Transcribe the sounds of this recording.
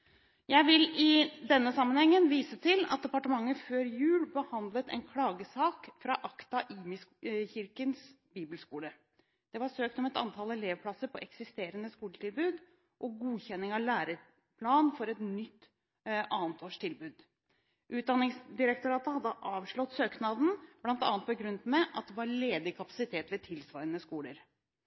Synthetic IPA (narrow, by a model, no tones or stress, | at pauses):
jæɪʋɪlɪd̪ɛnːəsɑmːənhɛŋːənʋiːsət̪ʰɪlɑ̰t̪̚d̪ɛpɑʈəmɑŋːəføːɾjʉːlbəhɑnd̪lət̪ɛ̰nkʰlɑːɡəsɑːkfɾɑːʔɑkt̪ɑʔiːmɪsçɪɾkəns | biːbəlskuːlə | d̪̥ɛʋɑɾsøːk̚t̪ɔmɛt̪ɑ̰nt̪ʰɑləleːʋpʰlɑsəɾpʰɔʔɛksɪst̪eːɾənəskuːləʈ̪ɪlbʉːd̪ | ʔɔɡuːçɛnːɪŋɑʋlæːɾə | pʰlɑːnfɔɾɛt̪nʏt̪ː | ʔɑːnt̪ʰoːʂʈʰɪlbʉːd̪ | ʔʉːt̪̚d̪ɑnːɪŋsd̪ɪɾək̚t̪ʊɾɑːt̪əhɑd̪ːəʔɑːʋʂɭɔt̪søːknɑd̪n̩b̥lɑnt̪ɑ̰ːnt̪bɔɡɾʉnət̪mɛʔɑt̪̚d̪ɛʋɑɾɭeːd̪ɪkʰɑpɑ̥sɪt̪ʰeːt̪ʋɛt̪ʰɪlsʋɑɪənəskuːləɾ